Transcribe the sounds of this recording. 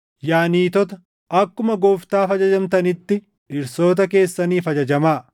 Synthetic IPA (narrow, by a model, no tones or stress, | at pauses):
jaːniːt̪ɔt̪ɐ | ʔɐkːʊmɐɡoːft̪aːfɐd͡ʒɐd͡ʒɐmt̪ɐnɪt̪ːɪ | ɪɾso̞ːt̪̬ɐke̞ːsːɐniːfɐd͡ʒɐd͡ʒɐmaː